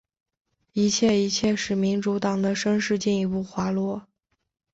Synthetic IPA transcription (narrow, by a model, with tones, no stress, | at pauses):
i˧˥t͡ɕʰjɛ˥˩i˧˥t͡ɕʰjɛ˥˧ʂɻ̩˥˩mi˧˥nʈ͡ʂu˧˥t̪ɑ˨˩ŋd̪ə˦ʂə˥nʂɻ̩˥˧t͡ɕi˥˩ni˧˥pu˥˩xwa˧˥lwɔ˥